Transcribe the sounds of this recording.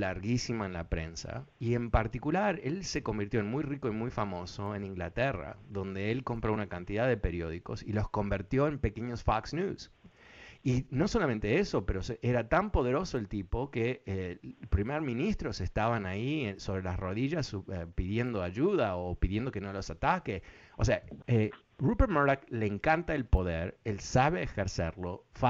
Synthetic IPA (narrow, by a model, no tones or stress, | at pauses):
laɾɣisimoenlapɾe̞̰nsa̰ie̞mpaɾt̪ikulaɾe̞lse̞ko̞mbiɾt̪joenmujriko̞imujfamo̞soe̞nĩŋɡlat̪era̰ðo̞nd̪e̞elko̞mpɾo̞unakant̪iðaðepe̞ɾjo̞ð̞iko̞̰silo̞sko̞mbiɾt̪jo̞e̞mpe̞keɲosfaksnjus | ino̞so̞lamẽnt̪eeso̞peɾosʔeɾat̪ampo̞ð̞e̞ɾo̞so̞elt̪ipo̞keepɾimeɾmĩnist̪ɾo̞sest̪aβanaieso̞βɾe̞lasro̞ðiʒasuepiðje̞nd̪oaʒuð̞aopiðje̞nd̪o̞kenolo̞sat̪ake | oseae | rupeɾmoakleŋkant̪aelpo̞ðeɾelsaβeːxeɾseɾlo̞fa